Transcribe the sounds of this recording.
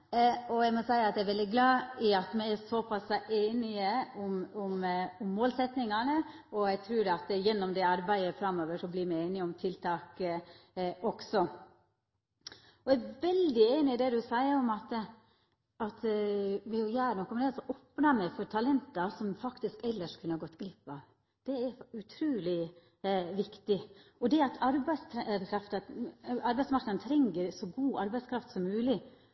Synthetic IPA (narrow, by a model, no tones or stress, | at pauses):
ɔjæɪmɔsæɪəɑt̪d̪ɛɪɾʋɛld̪ɪɡlɑːɪɑt̪mɛɪæsɔpʰɑsʔeːnɪəʊmʊmʊmːoːlsɛt̪nɪŋɑnəɔæt̪ʰɾʉːɾɑt̪jɛnːɔmd̪ɛɑɾbæɪəfɾɑmːoːʋəʂɔblɪɾmɛɪeːnɪɔmt̪ʰɪlt̪ʰɑːk | ʔɔksɔ | ɔæʋɛld̪ɪeːnɪd̪ɛd̪ʉsæɪəɾɔmɑt̪ | ɑt̪ʋɪʊjæːɾnɔkːɔmɛnɛːsɔʔɔpnɑmɛfɔɾt̪ʰɑlɛnt̪ɑsɔmfɑkt̪ɪskɛlːəʂkʰʉnəhɑɾɡɔt̪ːɡlɪpːɑʋ | d̪̥ɛɛɾʉt̪ʰɾuːlɪ | ʋɪkt̪ɪɔd̪ɛɑt̪ʰɑɾbæɪskʰɾɑft̪ɑɑɾbæɪdsmɑɾknəd̪nət̪ʰɾɛŋɡəɾsɔɡuːɑɾbæɪskʰɾɑft̪sɔmːʉːlɪ